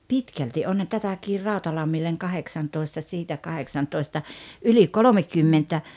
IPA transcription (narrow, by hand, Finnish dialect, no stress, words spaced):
pitkælti ʔonhɑn tætækir rɑˑotɑlɑmːilːeŋ kɑheksɑntoistɑ siːtæ kɑheksɑntoistɑ ʔyli kolomekymːentæ